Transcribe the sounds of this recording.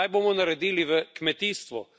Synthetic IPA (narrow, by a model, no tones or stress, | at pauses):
ajboːmɔnaɾɛd̪iːliʋəkmɛt̪iːst̪ʋɔ